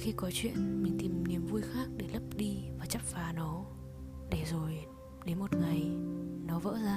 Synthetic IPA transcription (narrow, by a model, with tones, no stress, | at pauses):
xi˧kɔ˨˦t͡ɕwḭ˧˨ənmï˨˩ŋ̟t̪i˨˩mni˨˩əmvu˧əjxaː˦˥k̚ɗe˧˩lə˦˥p̚ɗi˧vaː˨˩t͡ɕə˦˥p̚faː˨˦nɔ˨˦ | ɗe˧˩zo˨˩j | ɗe˨˦nmo˨˩t̚ŋa˨˩jnɔ˨˦və̰ː˧˥zaː˧